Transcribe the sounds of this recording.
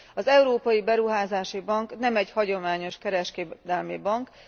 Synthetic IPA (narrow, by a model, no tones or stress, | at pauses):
ɒzɛuɾoːpɒjibɛɾuɦaːzaːʃibɒŋknɛmɛɟhɒɟo̞maːɲo̞ʃkɛɾɛʃkeːd̪ɛlmibɒŋk